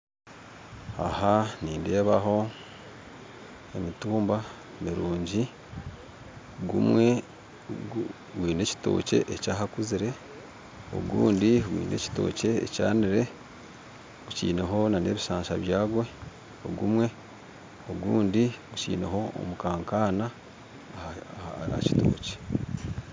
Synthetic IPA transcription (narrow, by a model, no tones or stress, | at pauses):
a̰haniːnde̞ːβaɦo̞ | e̞mituːmba | miɾuːɲɟi | ɡṵmwe̞ | ɡwiːne̞ci̥to̞̰ːce̞̰ʔecaːɦakuziɾe̞ | o̞̰ɡṵːndiɡwḭːneci̥to̞̰ːce̞ːca̰ːniɾe̞ | ɡ̥ucḭːne̞ɦo̞nane̞ːβiʃaːɲʃaβjaːɡwe̞ | o̰ɡumwe̞ | o̞ɡuːndiɡucḭːne̞ɦo̞o̰mukaːŋkaːna | a̰ci̥to̞̰ːce̥